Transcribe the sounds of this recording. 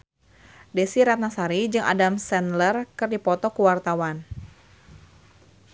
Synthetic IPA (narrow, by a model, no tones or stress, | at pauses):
desiɾat̪̚nasaɾid͡ʒɨŋa̰damsɛnlərkɨrdipɔt̪ɔkuwart̪awan